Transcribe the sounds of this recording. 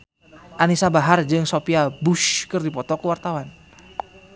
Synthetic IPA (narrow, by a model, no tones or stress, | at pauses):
ʔanisabaɦard͡ʒɨŋsopiabuʃkɨrdipɔt̪ɔkəwart̪awan